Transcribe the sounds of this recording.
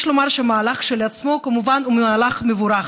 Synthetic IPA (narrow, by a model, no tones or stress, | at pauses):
ʃlo̞maʁʃeamaːlaχʃelat͡smo̞kamuvanumeaːlaχmevuɾaχ